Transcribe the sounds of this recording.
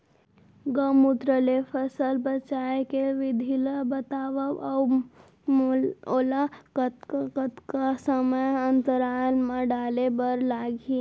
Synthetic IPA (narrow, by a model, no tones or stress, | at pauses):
ɡəmut̪ɾəlepʰəsəlbət͡ʃaːekeʋɪd̪ʱiləbət̪aːʋəa | molakt̪kət̪kasəməjənt̪əɾaːlmãɖaːlebəɾlaɡʱi